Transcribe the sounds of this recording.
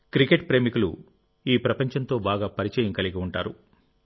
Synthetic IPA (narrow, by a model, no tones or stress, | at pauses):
kɾikeʈ̚pɾe̞ːmikulṵ | iːpɾɐpɐɲt͡ʃɐnt̪o̞ːbaːɡaːpɐɾit͡ʃɐːjɐŋkɐliɡiuɳʈaːɾṵ